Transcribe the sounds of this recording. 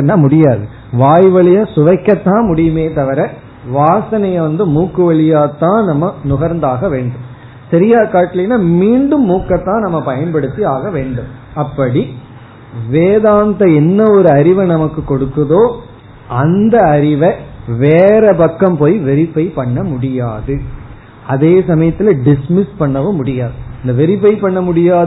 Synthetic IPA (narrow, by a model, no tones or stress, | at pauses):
nːɐmʊɽɪjaːðɯ | ʋaːjʋɐɭɪjaːsʊʋɐɪkːɐt̪ːãːmʊɽɪjɯmeːt̪ɐʋɐɾɐ | ʋaːsɐnɐjɐʋɐnd̪ɯmuːkːɯʋɐɭɪjaːt̪ːãːnɐmːɐnʊɣɐɾnd̪aːɣɐʋeːɳɖɯm | sɐɾɪjaːkaːʈːɪlɪnːaːmiːɳɖɯmːuːkːɐt̪ːãːnɐmːɐpɐjɐnpɐɽɯt̪ːiaːɣɐʋeːɳɖɯmɐpːɐɽi | ʋeːðaːnd̪ɐɛnːɐɔɾɯɐɾɪʋɐnɐmɐkːɯkːɔɽɯkːɐðoː | ɐnd̪ɐɐɾɪʋɐʋeːɾɐpɐkːɐmpoːjʋɛɾɪpːɐɪpɐɳːɐmʊɽɪjaːðɯ | ɐðeːsɐmɐjɐt̪ːɪlɐɖɪsmɪspɐɳːɐʋɯmʊɽɪjaːðɯɐnd̪ɐʋɛɾɪpɐɪpɐɳːɐmʊɽɪjaːð